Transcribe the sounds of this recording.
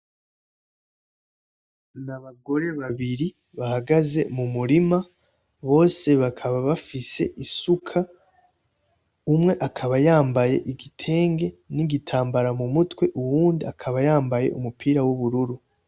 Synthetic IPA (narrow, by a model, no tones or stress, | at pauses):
naβaɡo̞ɾe̞βaβiɾi | βahaɡaze̞̰mumuɾima | βo̞ːse̞βakʰaβaβafise̞̰ʔisukʰa | umŋe̞ʔakʰaβajaːmbaje̞̰ʔiɡitʰe̞ːŋɡe̞niɡitʰaːmbaɾamumutwe̞ʔuwuːndiakʰaβajaːmbaje̞̰ʔṵmupʰiːɾawuβuɾuɾu